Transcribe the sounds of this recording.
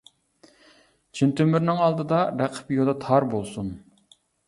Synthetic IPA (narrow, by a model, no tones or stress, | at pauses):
t͡ʃʰint̪ʰymyɾnɪŋɑlˠd̪ɨd̪ɑɾæqʰə̥pjod̪ɑt̪ʰɑɾbolˠsun